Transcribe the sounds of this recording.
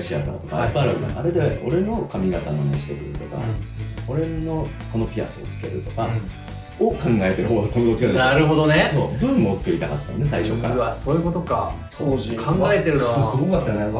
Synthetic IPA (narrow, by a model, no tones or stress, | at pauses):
ɕia̰ka̰ot̪oka̰ipːaaɾɯɡɯna̰ʔa̰ɾe̞d̪eʔo̞̰ɾe̞no̞kamʲiɡat̪anonoɕi̥t̪ekɯ̟ɾɯ̟t̪o̞ka̰o̞ɾe̞no̞ko̞no̞pʲia̰sɨot͡sɨ̥ke̞̰ɾɯ̟t̪o̞̥ka | okãŋɡae̞t̪e̞ɾɯɦoːɡ̪at̪omod̪ot͡ɕinaɾɯ̟ɦo̞d̪o̞nesobɯ̟̃mmoːt͡sɨ̥kɯ̟ɾʲit̪akat̪ːajnːe̞s̬aiɕokːa̰asoːjɯ̟ko̞t̪o̞ka | sokʰãŋɡaet̪e̞ɾoosɨɡokat̪ːane